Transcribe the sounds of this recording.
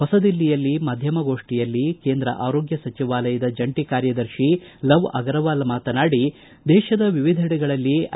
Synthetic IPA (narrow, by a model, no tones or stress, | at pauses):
ɦɔsɐd̪ilːijɐlːimɐːd̪ʱjɐmɐɡo̞ːʂʈijɐlːikeːnd̪ɾɐ̰ʔaːɾo̞ːɡjɐsɐt͡ʃiʋaːlɐjɐd̪ɐd͡ʒɐɳʈikaːɾjɐd̪ɐɾʃilɐʋɐ̰ɡɐɾɐʋaːlɐmaːt̪ɐnaːɽi | d̪ɛːʃɐd̪ɐʋiʋid̪ʱɐɽɐɡɐɭɐlːi